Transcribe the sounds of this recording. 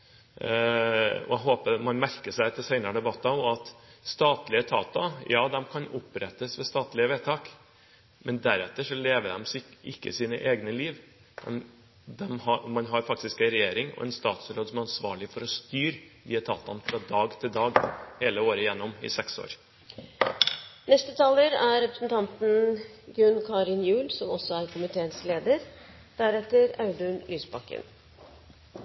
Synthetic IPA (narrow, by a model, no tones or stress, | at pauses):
ɔ̰æɦoːpəmɑnmæɾkəʂæɪt̪ʰɪlsæɪnɑɾɖ̪ɛbɑt̪ːɑɔɑt̪st̪ɑːt̪lɪət̪ʰɑ̰ːt̪ɑjɑːd̪ɛmkʰɑnʊpɾɛt̪ːəsʋɛst̪ɑːt̪lɪəʋeːt̪ʰɑːk | mɛnd̪æɾɛt̪ːəʂɔleːʋəd̪ɛ̰msɪkːə̰siːnə̰ʔeːɡnəliːʋ | mɛ̰n | d̪ɛmhɑmɑnɦɑɾfɑk̚t̪ɪskænɾɛjeːɾɪŋɔ̰ʔɛ̰nst̪ɑːt̪sɾoːd̪sɔmɛɑnsʋɑ̰ːɭɪfɔɾɔst̪yːɾʋiːət̪ʰɑ̰t̪ːɑnfɾɑd̪ɑːɡt̪ʰɪld̪ɑːɡheːləoːɾəjɛnːʊmɪ̰sɛkso̰ːɾ | nɛst̪ət̪ʰɑːləɾæɾɾɛpɾəsn̩t̪ʰɑnt̪n̩ɡɾʉnkʰɑːɾɪnjʉːlsɔmɔsːɔæɾkʰʊmɪt̪ʰeːənsleːd̪əɾ | d̪̥æɾɛt̪əɾɑʉd̪ʉnlyːsbɑkːə̰n